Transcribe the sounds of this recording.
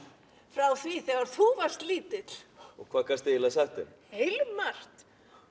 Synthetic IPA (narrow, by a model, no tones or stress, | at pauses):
fɾawθviθɛɣaɾ̥θuvar̥st̪liːt̪ɪ̥ɔɣkʰvaːðkʰast̪ejɪlasɛht̪ʏm | hejlʏmːar̥t̪